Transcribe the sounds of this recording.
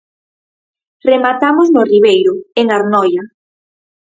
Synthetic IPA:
remat̪amoznʊriβ̞ejɾʊeŋaɾnɔja

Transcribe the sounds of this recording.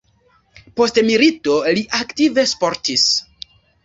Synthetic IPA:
po̞stmilito̞liʔaktive̞spo̞ɾtis

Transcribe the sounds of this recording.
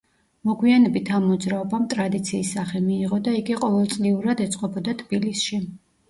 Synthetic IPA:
mɔɡwianɛbit̪ʰamːɔd̪zɾaɔbamt̪ʼɾad̪it̪sʰiːsːaχɛmiːʁɔd̪aiɡiqʼɔvɛlˠt̪sʼliuɾad̪ɛt̪sʼqʼɔbɔd̪at̪ʰbilisʃi

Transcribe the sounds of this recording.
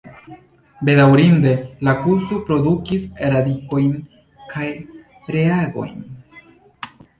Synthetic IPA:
be̞dawɾinde̞lakuɾsopɾo̞dukiseɾadiko̞jn | kʰaj | ɾeaɡo̞̰jn

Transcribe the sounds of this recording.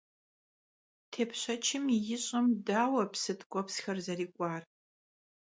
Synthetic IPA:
tʰeːpʰɕɐt͡ʃʰɪmjɪɕʼɐmdaːwɐpsɨtʰɡʷʼɔpsxɐrzɐriːkʷʼɑːr

